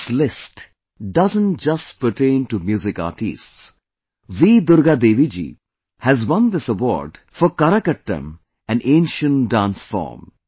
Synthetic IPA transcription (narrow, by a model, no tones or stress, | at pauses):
slɪsʈ | ɖʌzə̃nʈ̚d͡ʒʌsʈpəʈẽɪ̃nʈumjuːzɪka̰ːʈḭsʈs | ʋid̪ʊɾɡad̪eːʋid͡ʒḭː | hæzwʌ̃nd̪ɪsəʋɔ̰ːɾɖ | fɔkaɾəkəʈːə̰̃m | æ̃nẽːnʃə̃nɖãːnsfɔ̰ːɾm